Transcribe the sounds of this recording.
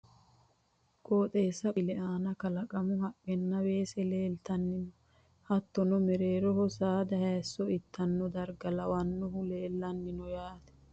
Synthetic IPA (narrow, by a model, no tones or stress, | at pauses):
koːt̪ʼeːsɐbɪlɛʔaːnɐkɐlɐkʼɐmʊhɐkʼːɛnːɐwe̞ːsɛleːlt̪ɐnːɪnɔ | hɐt̪ːɔnɔmɛɾeːɾɔhɔsaːd̪ɐhɛːsːɔɪt̪ʰːɐnːɔd̪ɐɾɡɐlɐwɐnːɔɦʊleːlːɐnːɪnɔjaːt̪ɛ̥